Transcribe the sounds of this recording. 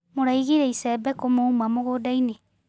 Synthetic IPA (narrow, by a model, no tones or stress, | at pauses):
moɾaiɣiɾeisɛbɛkomoumamoɣodaine